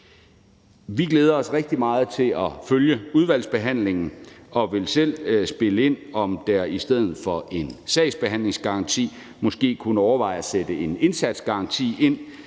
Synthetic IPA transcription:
ʋiɡ̥leːð̞ˠɐɒ̽sʁeɡ̥̚d̥imɑ̈ːð̞̩ˠt͡sʰe̝lɒ̽føljəuð̞ˠʋæl̰sb̥e̝ɦæn̰le̝ŋn̩ɒ̽ʋe̝lsel̰sb̥e̝ləe̝n̰ɒ̽md̥æɐisd̥eð̞̰ˠð̩ˠfɒ̽ʔe̝nsɛɪsb̥e̝ɦæn̰le̝ŋsɡ̥ɑ̈ɑ̈nt͡sʰḭː | mɒ̽sɡ̥e̝̰ːkʰunəɒʊɐʋɑ̈ɪ̰ɒsed̥əe̝ne̝nsæd̥sɡ̥ɑ̈ɑ̈nt͡sʰḭːe̝n̰

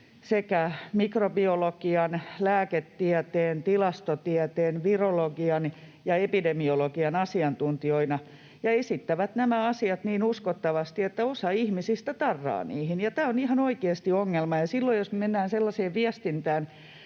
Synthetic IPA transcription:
sekæmikrobiolokiɑnlæːket̪ːiæt̪eːnt̪ilɑst̪ot̪iæt̪eːnʋiroloɡiɑn | jɑepidemiolokiɑnɑsiɑnt̪unt̪ioinɑ | jɑesit̪ːæʋæt̪næmæɑsiɑt̪niːnuskot̪ːɑʋɑst̪iet̪ːæosɑihmisist̪æt̪ɑrːɑ̰ːnḭːhinjɑt̪æːonihɑnoikeːst̪ioŋːelmɑjɑsilːoijjosmemenːæːnselːɑseːʋʋiæst̪int̪æːn

